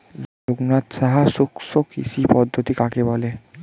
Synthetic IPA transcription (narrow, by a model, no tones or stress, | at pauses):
loɡnat̪ʃaɦaʃukʃokḭʃipɔd̪ʱːot̪ikakebɔle